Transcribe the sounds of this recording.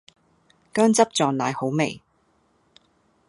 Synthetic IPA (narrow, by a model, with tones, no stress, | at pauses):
kœː˥ŋt͡sɐ˥p̚t͡ʃɔː˨ŋnaː˨˧jho˨˥wme˨˩j